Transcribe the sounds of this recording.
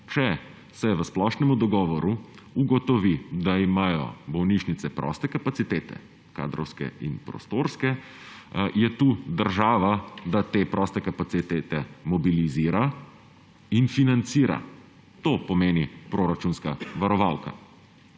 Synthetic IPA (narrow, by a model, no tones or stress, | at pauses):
t͡ʃɛ | sɛʋəsplɔʃnɛmud̪ɔɡɔːʋɔɾu | uɡɔt̪ɔʋid̪aimaːjɔ̰bɔwniʃnit̪sɛpɾɔ̰st̪ɛkapat̪sit̪eːt̪ɛ̰ | ka̰ːd̪ɾɔ̰wskɛ̰ḭnpɾɔ̰st̪oːɾskɛ | jɛt̪uːd̪əɾʒaːʋad̪at̪eːpɾʔɔst̪ɛkapat̪sit̪eːt̪ɛmɔbiliziːɾa | infinant̪siːɾa̰ | t̪oːpɔmeːnipɾoːɾat͡ʃunskaʋaɾɔʋalka̰